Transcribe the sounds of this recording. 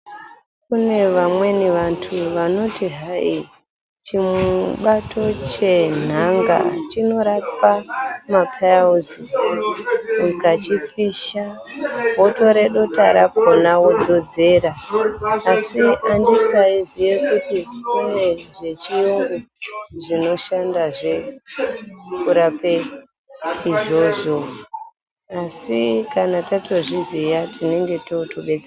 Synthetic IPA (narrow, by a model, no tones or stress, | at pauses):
kune̞ʋamwe̞niʋantʰuʋano̞tiɦai | t͡ʃimuɓatʰo̞t͡ʃe̞naŋɡa̰t͡ʃino̞ɾapamapʰaauzi | ukat͡ʃip̚iʃa | bo̞to̞ɾe̞ɗo̞taɾako̞nawod͡zo̞d͡ze̞ːɾaː | siandisaizijekutikune̞ʐe̞t͡ʃijuŋɡoʐino̞ʃandaʐe | kuɾape | iʐo̞ʐo̞ | asikanatato̞ʐizijatine̞ŋɡe̞to̞toɓe̞t͡sea